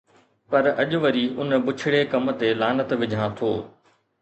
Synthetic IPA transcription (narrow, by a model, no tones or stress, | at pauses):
pɐɾɐʄʊʋəɾiːʔʊnbʊt͡ʃʰɪɽekɐm̆t̪elaːnət̪ʋɪd͡ʑʱãːt̪ʰoː